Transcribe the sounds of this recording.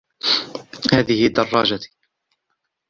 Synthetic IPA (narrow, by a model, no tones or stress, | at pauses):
haːðɪhɪd̪ːɑrˤːɑːd͡ʒa